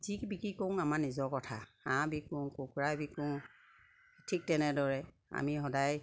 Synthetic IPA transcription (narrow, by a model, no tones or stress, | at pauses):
zikbikikɔŋamaɹnizɔɹkɔtʰaãbikɔŋkukɹabikɔŋ | tʰik̚tɛnɛdɔɹɛ | a̰miɦɔdaj